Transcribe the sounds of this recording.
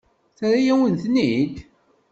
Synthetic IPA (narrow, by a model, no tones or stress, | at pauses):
θaɾajæwənθənːid̪